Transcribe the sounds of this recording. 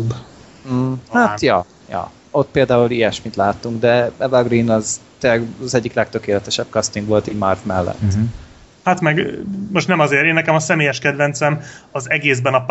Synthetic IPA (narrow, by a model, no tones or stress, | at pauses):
b̩ | hat̪jɒ | jɒ̰ | o̞t̪̚peːld̪aːulijɛʃmit̪laːt̪ːuŋɡd̪ɛɛvɒɡrinɒzt̪elːɛɡzɛɟːiklɛk̚t̪ø̞keːlɛt̪ɛʃɛb̥̚kɒst̪iŋɡʋo̞lt̪iːɟmɒrfmɛlːɛ̰t̪ː | hat̪mɛɡmo̞ʃt̪nɛmɒzeːɾeːnːɛkɛmɒsɛmeːjɛʃkɛd̪vɛnt̪sɛmɒzɛɡeːzbɛnɒp